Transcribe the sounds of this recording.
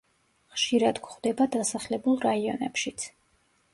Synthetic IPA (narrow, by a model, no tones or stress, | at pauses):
χʃiɾad̪ɡχvd̪ɛbad̪asaχlɛbulˠɾaiɔ̰nɛpʃit̪sʰ